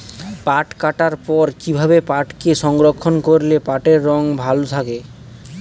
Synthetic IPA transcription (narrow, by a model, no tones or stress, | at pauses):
paʈkaʈaɾpɔɾkibʱabepaʈkeʃɔŋɡɾokʰːonkoɾlepaʈeɾːɔŋbʱalot̪ʰake